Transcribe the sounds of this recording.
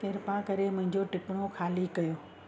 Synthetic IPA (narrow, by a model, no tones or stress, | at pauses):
keːɾpãkɐɾemʊ̃ɦɪ̃ɲd͡ʑoʈɪpɽ̃oxʰaːlikɐjoː